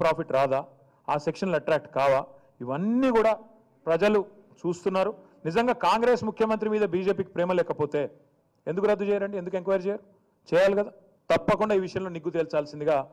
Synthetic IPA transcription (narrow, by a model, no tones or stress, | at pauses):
pɾaːpiʈɾaːd̪aː | aːsekʂɐnlɐʈɾaːk̚ʈkaːʋaː | iʋɐnːiːkuːɽaː | pɾɐd͡ʒɐlu | t͡ʃuːst̪unːaːɾu | nizɐŋɡaːkaːŋɡɾeːsmukʰjɐmɐnt̪ɾimiːd̪ɐbiːd͡ʒe̞ːpiːki̥pɾeːmɐlɛːkɐpoːt̪e̞ː | end̪ukuɾɐd̪ːut͡ʃɛːjaːɾɐɳɖiend̪uk̬eŋkʋaːjɐɾt͡ʃɛːjaːɾu | t͡ʃɛːjaːlikɐd̪aː | t̪ɐpːɐkuɳɖaːiːʋiʂɐjɐmlo̞ːniɡːut̪iːlt͡ʃaːlsind̪iɡaː